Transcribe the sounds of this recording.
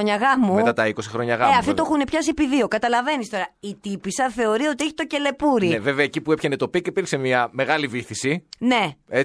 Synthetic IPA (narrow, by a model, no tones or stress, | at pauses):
oɲɐɣɐmuet̪ɐt̪ɐiko̞sixɾo̞ɲɐɣɐeɐft̪it̪oxunepçɐsipiðio̞kɐt̪ɐlɐve̞nist̪o̞ɾɐit̪ipisɐθe̞o̞ɾio̞t̪ieçi̥t̪o̞ce̞le̞puɾieveveɐecipuepçenet̪o̞pikipiɾkse̞miɐme̞ɣɐliviθisine̞e